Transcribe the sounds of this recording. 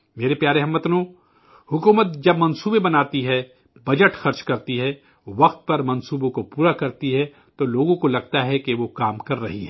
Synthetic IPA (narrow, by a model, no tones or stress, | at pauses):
meːɾepjaːɾeɦɐmːɐt̪nõː | hʊkuːmət̪̚d͡ʒɐbmɐ̃nsuːbebɐnaːt̪iɦɛ | bɐd͡ʒəʈxɐɾt͡ʃkɐɾt̪iɦɛː | ʋɐqt̪̚pɐɾmɐ̃nsuːbõkopuːɾakɐɾt̪iɦɛ | t̪oloːɡõkolɐɡ̚t̪aɦɛkeʋokaːmkɐɾːɐɦiɦɛː